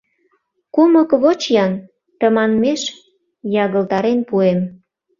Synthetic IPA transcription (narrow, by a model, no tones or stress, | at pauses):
kuməkβot͡ɕjɑn | t̪əmɑnmeʃ | jɑɣə̆lt̪ɑɾenpuem